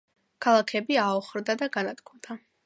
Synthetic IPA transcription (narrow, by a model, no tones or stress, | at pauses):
kʰalˠakʰɛbiaɔχɾd̪ad̪aɡanat̪kʰumd̪̥a